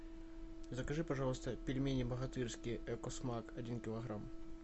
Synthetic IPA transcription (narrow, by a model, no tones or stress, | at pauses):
zəkɐʐɨpɐʐɑlˠəst̪əpʲɪlʲmʲenʲɪbəɣɐt̪ɨrskʲɪʔɛkɔsmakɐdʲinkʲɪlˠɐɣɾam